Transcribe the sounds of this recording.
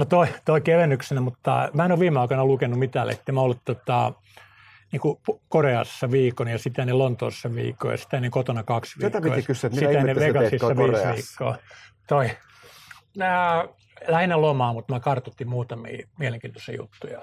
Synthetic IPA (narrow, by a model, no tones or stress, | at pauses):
not̪oit̪oikeʋenːyksenæmut̪ːɑ̰mæˑenoʋʋiːmeɑikɑnɑlukenːumit̪æːlḛt̪ːemæolːutt̪ot̪ɑ | niːkupukoreɑ̰sːɑʋiːkonijɑsit̪ænelont̪o̰ːssːɑʋḭːkːˑo̰jɑ̰si̥t̪æneŋkot̪onɑkɑksʋit̪ko̰ːjkysit̪æneʋekɑsisːɑʋiːsʋiːkːo̰ːt̪oi | mæ | læhinelomɑːmut̪mækɑrt̪ut̪ːimmuːt̪ɑmḭːmieleŋkiːnt̪o̥siɑ̰jṵt̪ːujɑ